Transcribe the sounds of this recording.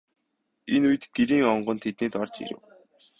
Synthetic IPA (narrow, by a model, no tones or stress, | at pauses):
enujɘ̆t̪ɡ̥eɾiːŋɔɴɢɞ̆nt̪ʰet̪niːt̪ɔrt͡ɕḛɾɘ̰̆w